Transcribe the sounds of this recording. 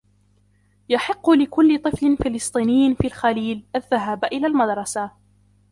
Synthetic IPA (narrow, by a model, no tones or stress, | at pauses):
jaħɪqːʊlɪkʊlːɪt̪ˤɨflɪnfɪlɨsˤt̪ˤiːnɪjːɪfiːlxaliːlʔaðːaɦaːbʔɪlaːlmad̪ɾˤɑsa